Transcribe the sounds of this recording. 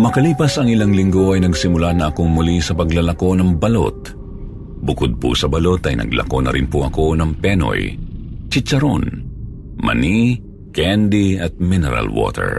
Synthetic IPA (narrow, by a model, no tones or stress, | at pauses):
mɐkɐliːpɐsɐŋɪlaŋlɪŋɡo̞ʔɐjnɐɡsɪmʊlanɐʔɐko̞ŋmʊlisɐpɐɡlɐlɐko̞nɐŋbɐlo̞̰t̪̚ | bʊkod̪̚pʊ̰sɐbɐlo̞t̪ɐjnɐ̰ɡlɐ̰ko̞nɐ̰ɾɪnpʊʔɐko̞nɐŋpɛno̰jt͡ʃɪt͡ʃɐɾo̰n | mɐ̰ni | kand̪iɐt̪̚mɪnɛɾɐ̰lwo̰ːt̪ʰɛ̰ɹ